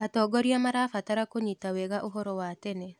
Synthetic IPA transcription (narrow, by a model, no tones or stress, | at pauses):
atɔːɡɔɾiamaɾafataɾakoɲitawɛɣaʔoɦɔɾɔwatɛnɛ